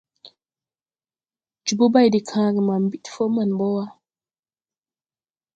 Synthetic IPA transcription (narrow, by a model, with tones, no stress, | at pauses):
d͡ʒu˨bo˦ba˦jdi˨kʰãː˨˦ɡi˨ma˨m̩˨bi˦tfo˦ma˨nbɔ˦wa˦